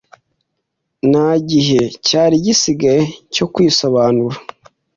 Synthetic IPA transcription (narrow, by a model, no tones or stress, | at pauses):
naɟiɦe̞caːɾiɟisiɡaɾeco̞kwiːso̞βaːnuɾa